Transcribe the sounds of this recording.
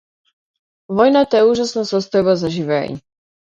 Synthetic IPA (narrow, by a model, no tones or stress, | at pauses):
vɔjnat̪ɛuʒasnɔsɔst̪ɔbazaʒivɛ̰